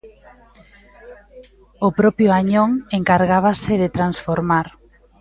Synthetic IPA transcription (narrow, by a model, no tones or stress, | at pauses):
ʊpɾɔpjʊaɲoŋeŋkaɾɣaβasɪðɪt̪ɾansfoɾmaɾ